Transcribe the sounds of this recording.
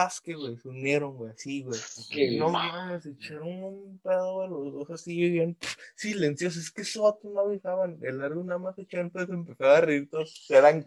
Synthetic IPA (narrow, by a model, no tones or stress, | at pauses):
askeɣwejsunjeɾoŋɡwejasiɣwejokenomaaneset͡ʃaɾonunpeðoðelozðosasijoβeanpsilensjos̬oeskesoat̪onaβjixaβanelaɾɣonamaset͡ʃaent̪osesempesaβareiɾt̪osseɾaŋ